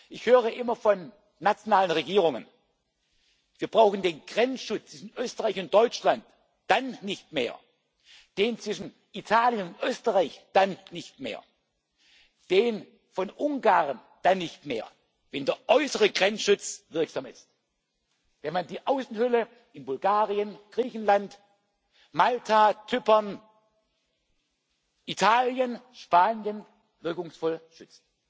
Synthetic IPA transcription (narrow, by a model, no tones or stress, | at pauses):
ʔɪçhøːʁəʔɪmɐfɔnː | at͡sjonaːlənʁeɡiːʁʊŋən | viːɐb̥ʁaʊxn̩deːnɡ̥ʁɛnsʃʊt͡st͡sv̥ɪʃn̩ʔøːstəʁaɪçʊnt̚d̥ɔʏt͡ʃlant | d̥anːɪçtmḛːɐ | d̥eːnt͡sv̥ɪʃn̩ | ʔitʰaːljənʊntʔøːstəʁaɪçd̥anːɪçtmḛːɐ | d̥eːn | fɔnʔʊŋɡaːʁən | d̥anːɪçtmḛːɐ | vɛndeɐʔɔʏsəʁəɡʁɛnsʃʊt͡svɪɐkz̥aːmɪ̰st | vɛnmandiːʔaʊsn̩hʏlə | ɪnbʊlɡ̥aːʁiənɡ̥ʁiːçn̩lant | maltʰat͡sʏpɐn | ʔitʰaːljənʃpaːnjən | vɪɐkʊŋsfɔlʃʏt͡st